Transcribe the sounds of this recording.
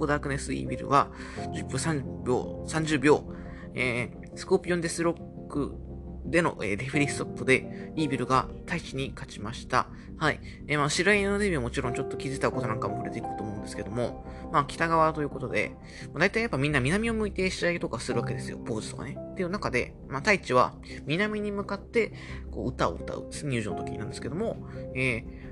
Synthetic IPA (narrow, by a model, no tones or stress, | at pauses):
od̪akɯ̟ne̞sɨḭbʲiɾɯ̟̰βad͡ʑɨpʲːoːsãɲbʲo̰ːsãɲ̟d͡ʑɨːbʲo̞ː | eː | sɨ̥ko̞ːpʲiõ̞nd̪esɨɾo̞kk | ɯ̟̰ | d̪e̞no̞̰ʔḛːɾeɸɯ̟ɾʲi̥t̪o̞pːɯd̪e̞iːbʲiɾɯ̟ɡat̪ʰait͡ɕiɲ̟ikat͡ɕimaɕi̥t̪a̰ | haḭ | eːmaːɕiɾainod̪e̞bʲiomo̞t͡ɕiɾõ̞ɲ̟t͡ɕo̞t̪ːo̞kʲizɨt̪aɯ̟kot̪o̞nãŋkamo̞ɸɯɾe̞t̪e̞ikɯɾɯt̪oːmo̞ɯ̟nd̪e̞sɨ̥ke̞d̪o̞mo̞̰ | maːkʲi̥t̪aɡaβ̞at̪o̞jɯko̞t̪o̞d̪e̞̰ | mad̪ait̪aijapːamʲĩnːamʲinamʲio̞mɯ̟it̪e̞ɕiait̪o̞kasɨɾɯ̟βaked̪e̞sɨjo̞̰po̞ːzɨ̥t̪oɡa̰ne̞t̪ːe̞jɯ̟nakad̪e̞̰ | mat̪ait͡ɕiβa̰ | mʲinamʲiɲ̟imɯ̟kat̪ːe̞ | ko̞̰ːɯ̟t̪ao̰ɯ̰t̪a̰ɯ̟̰d̪esɨneɲʲɯ̟ːʑɨ̃not̪okʲiɲinãnd̪esɨ̥ke̞d̪o̞mo̞eː